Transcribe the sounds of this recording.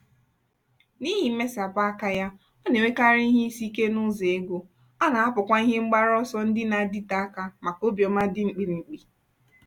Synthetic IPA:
ni˦ɦɪ˨˦me˦sa˨pa˦a˦ka˦ja˦ | o˦ne˨we˦ka˦ɾi˦i˦ɦe˦i˦si˦ke˦nʊ˦ze˨e˦ɡo˨ | a˦na˨a˦pʊ˨kʷa˦i˦ɦe˦ŋ͡m̩˦ɡ͡ba˦ɾɔ˦sɔ˦n̩˦dɪ˦na˨di˦ta˦a˦ka˦ma˨ko˦bjɔ˨ma˦dɪ˦ŋ͡m̩˨k͡pi˨ɾi˨ŋ͡m̩˨k͡pi˨

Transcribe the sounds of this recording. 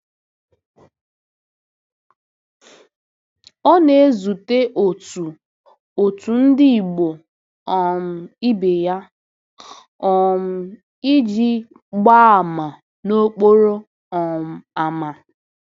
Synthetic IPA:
ɔ˦ne˨˦zu˨te˦ʔo˨tu˨ | o˨tu˨n̩˦dɪ˦i˨ɡ͡bo˨ | ɔ˨m̩˨i˦be˨ja˦ | ɔ˨m̩˦ | i˦d͡ʒi˦ | ɡ͡ba˦a˨ma˨ | no˦k͡po˦ɾo˦ | ɔ˨m̩˨a˨ma˨

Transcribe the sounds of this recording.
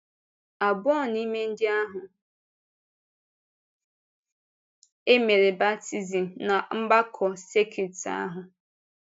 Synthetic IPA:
a˨bɔ˦˨ni˦me˦n̩˦dɪ˦a˦ɦʊ˨ | e˦me˨ɾe˨ba˦ti˦zi˨m̩˨na˨m̩˦ba˦kʰɔ˨se˦kʰi˨ta̰˦ɦʊ˨

